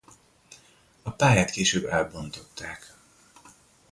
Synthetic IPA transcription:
ɒpaːjaːt̪keːʃøːbɛlbo̞nt̪o̞t̪ːaːk

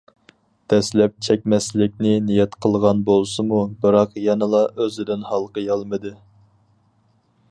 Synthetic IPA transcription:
d̪̥ɛslɛp̚t͡ʃʰɛk̚ʲmɛslɪkʲnɪnijɛt̪qʰəlˠʁɑnbolˠsɨmubɨɾɑqjɑnɨlˠɑʔøzɪd̪ɪnhɑlˠqəjɑlˠmɨd̪ɨ

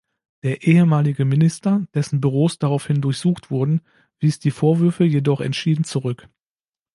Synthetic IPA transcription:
d̥eːɐʔeːəmaːlɪɡəmɪnɪstɐd̥ɛsn̩byʁ̞oːsd̥aʁaʊfhɪndʊɐçz̥uːχtv̥ʊɐdn̩ | v̥iːsd̥iːfoːɐvʏɐfəjedɔχɛ̰ntʃiːdn̩t͡suʁʏk

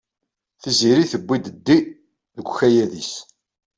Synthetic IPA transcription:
θiziɾiθəbʷːid̪əd̪ːi | ðəɡʷçæjæðis

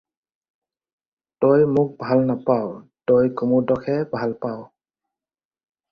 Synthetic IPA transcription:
tojmʊk̚bʱalnapawtojkumudɔkʰɛbʱalpaw

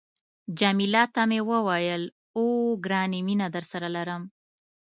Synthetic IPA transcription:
d͡ʒamilɑt̪amewəwajəl | oɡɾɑniminad̪əɾsaɾalaɾəm

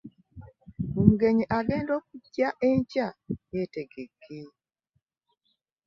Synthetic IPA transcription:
omuɡeɲiʔaɡeːndoːk̚uɟːaʔeɲcajeteɡeɡe

